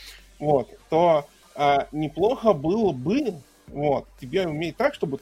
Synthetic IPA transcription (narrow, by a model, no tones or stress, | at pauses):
vo̞t̪ːo | anʲɪplˠo̞xəbɨlˠəbɨ | vo̞t̪tʲɪbʲeʊmʲeɪt̪ːakʂt̪o̞bɨ